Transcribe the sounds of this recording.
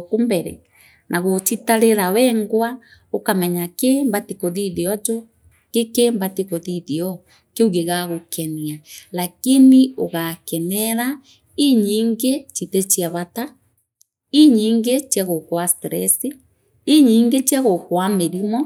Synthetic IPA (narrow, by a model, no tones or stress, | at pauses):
kumbɛɾɛ̰ | nʔaɣot͡ʃitaɾeɾawɛŋɡwa | okamɛɲakembatikoðiðiɔd͡ʒo | kekembatikoðiðeɔ | keuɣeɣaɣokʰɛnialakinioɣakɛnɛɾa | iɲiːŋɡet͡ʃitet͡ʃiaβata | iɲiːŋɡet͡ʃjaɣokwastɾɛsi | iɲiːŋɡet͡ʃiaɣokwameɾimɔ